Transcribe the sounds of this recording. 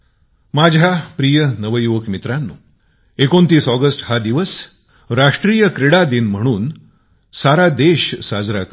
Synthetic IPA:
mad͡ʑʱapɾijənəʋəjuʋəkmit̪ɾanːuː | ekont̪iːsɔɡəsʈhad̪iʋəs | ɾaʂʈɾijəkɾeɽad̪iːnm̤əɽ̃uːn | saɾad̪eɕsad͡zɾak

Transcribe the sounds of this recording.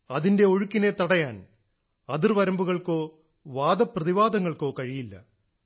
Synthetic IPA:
ɐðinde̞oɻukːine̞t̪ːɐɽɐjaːn | ɐðirʋɐɾɐmbuɣɐɭko̞ː | ʋaːd̪ɐprɐðiʋaːd̪ɐŋːɐɭko̞ːkɐɻijilːɐ̰

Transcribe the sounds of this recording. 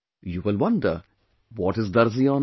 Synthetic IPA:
juːʋɪlʋʌ̃nɖə̰ɾ | ʋɔːʈɪzd̪ɐɾziɔ̃ːn

